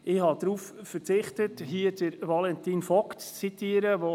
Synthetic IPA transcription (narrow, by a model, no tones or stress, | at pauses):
ɪhɑd̪̥ɾuːffəɾt͡sɪχtətɦiəd̥əɾʋɑlɛntiːnfɔkt͡st͡sitiəɾəʋo